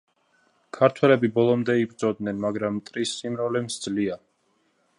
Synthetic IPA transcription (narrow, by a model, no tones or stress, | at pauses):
kʰaɾt̪ʰwɛlɛbibɔlˠɔmd̪ɛibɾd̪z̥ʼɔd̪nɛnmaɡɾamt̪ʼɾisːimɾɔlɛmsd̪zlia